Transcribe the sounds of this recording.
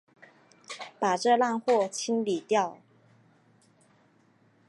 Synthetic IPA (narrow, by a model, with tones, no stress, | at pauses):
pa˨˩ʈ͡ʂɤ˥˧la˥˧nxwɔ˥˧t͡ɕʰi˥nli˨˩t̪jɑ˥˩ʊ